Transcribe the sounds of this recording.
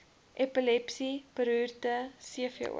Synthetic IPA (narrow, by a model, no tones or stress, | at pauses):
ʔɛpilɛpsipəɾyːrtəsiəfə̰